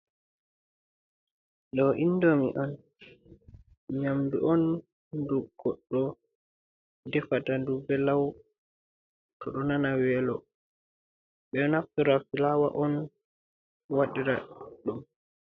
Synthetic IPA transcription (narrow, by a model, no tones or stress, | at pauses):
ɗɔʔinːdɔmḭʔɔn | ɲamduʔɔn | duɡ̥ɔɗːɔ | dɛfatandubɛlaw | tʰɔɗɔnanawɛlɔ | ɓɛnaftuɾafilawa̰ʔɔn | waɗiɾaɗum